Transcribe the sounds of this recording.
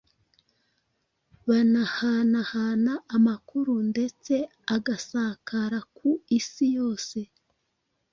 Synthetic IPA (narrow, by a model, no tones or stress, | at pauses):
βanahanahaːnaʔːmakuɾunde̞t͡se̞ | aɡasakʰaɾakuisijo̞ːse̞